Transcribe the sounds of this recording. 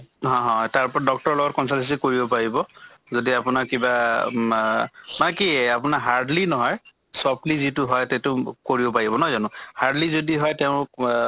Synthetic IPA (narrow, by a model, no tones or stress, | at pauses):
ɦɔ̃ɦɔ̃taɹpɔɹdɔk̚tɔɹɔlɔɡɔt̚kɔnsanses̬ikoɹibɔpaɹibɔzodiapʊnakkiba | manɛkiapʊnaɦaɹdlinɔɦɔj | sɔp̚lizitʊɦɔjtɛtʊkoɹibɔpaɹibɔnɔjzanʊ̃haɹdlizodiɦɔjtɛʊ̃